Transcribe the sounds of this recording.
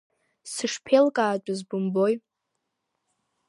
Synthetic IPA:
sɨʂpʰelkʼaːt͡ʃʷʼʊzbʊmbo̞j

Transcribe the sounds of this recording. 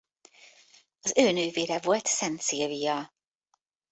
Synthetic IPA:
ɒzøːnyːveːɾɛvolt̪sɛnt̪siviːɑ

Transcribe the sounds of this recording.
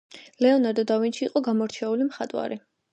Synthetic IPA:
lɛɔnaɾd̪ɔd̪avinʃiːqʼɔɡamɔɾt͡ʃʰɛulimχat̪ʼwa̰ɾi

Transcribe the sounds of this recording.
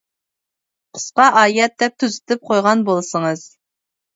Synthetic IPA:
qʰə̥sqɑʔɑːjɛt̪̚d̪ɛp̚t̪ʰyzɪt̪ʰɪp̚qʰojʁɑnbolˠsəŋəz̥

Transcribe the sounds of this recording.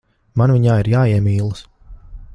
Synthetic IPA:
manviɲaːiɾjaːiɛmiːlˠɨs

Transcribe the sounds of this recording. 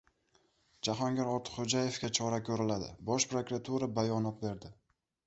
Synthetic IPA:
d͡ʒaɦɒŋɡʲaɾɒt̪ʰɪ̥χod͡ʒaje̞fkʲat͡ʃʰɒɾakʲʰɵɾɪlad̪ɪ̰bɒʃpɾokɾat̪ʰuɾabajɒnɒt̪̚be̞ɾd̪ɪ

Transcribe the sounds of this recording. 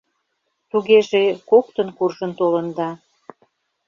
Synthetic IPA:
t̪uɣeʒekokt̪ənkurʒənt̪olə̆nd̪ɑ

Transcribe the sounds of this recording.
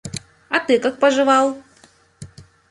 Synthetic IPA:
ɑt̪ɨkɤk̚pəʒɨ̆βɑlˠ

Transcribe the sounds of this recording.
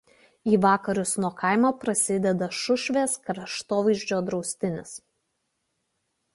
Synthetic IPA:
iːʋɑːkɐɾʲʊsnuɔkɑˑɪmoːpɾɐsʲɪd̪ʲɛd̪ɐʃʊʃʲʋʲeːskɾɐʃt̪oːʋɐɪʒʲd͡ʒʲoːd̪ɾɒʊsʲt̪ʲɪnʲɪs

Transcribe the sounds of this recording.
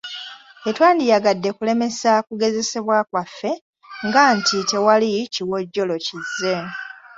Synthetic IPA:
etwaːndijaɡadːe̞kule̞me̞sakuɡe̞ze̞se̞βwakwafːe̞ | ŋɡaːntʰite̞waliciwo̞ɟːo̞lo̞cizːe̞

